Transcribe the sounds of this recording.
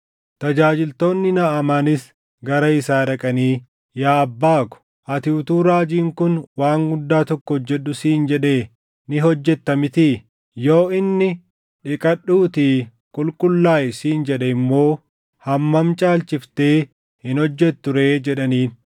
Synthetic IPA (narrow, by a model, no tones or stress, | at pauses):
t̪ɐd͡ʒaːd͡ʒɪlt̪o̞ːnːɪnɐʔɐmaːnɪs | ɡɐɾɐɪsaːᶑɐkʼɐniː | jaːɐbːaːkʊ̥ | ʔɐt̪ɪʊt̪uːɾaːd͡ʒiːŋkʊnwaːŋɡʊd̪ːaːt̪ɔkːɔhɔd͡ʒːɛɗːʊsiːnd͡ʒɛᶑeː | nɪɦɔd͡ʒːɛt̪ːɐmɪt̪iː | jo̞ːʔɪnːɪ | ᶑɪkʼɐɗːuːt̪iː | kʼʊlkʼʊlːaːʔɪsiːnd͡ʒɛᶑɛɪmːo̞ː | hɐmːɐmt͡ʃʼaːlt͡ʃɪft̪eː | hɪnɔd͡ʒːɛtt̪ːʊɾe̞ːd͡ʒɛɗɐniːn